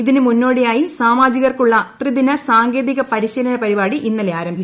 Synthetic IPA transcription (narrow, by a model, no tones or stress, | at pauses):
iðinɨmunːo̞ːɽejaːjisaːmaːd͡ʑiɣɐrkuɭːɐt̪riðinɐsaːŋɡe̞ːðiɣɐpɐɾiɕɐlɐnɐpɐɾibaːɽiʔinːɐleaːɾɐmbʱi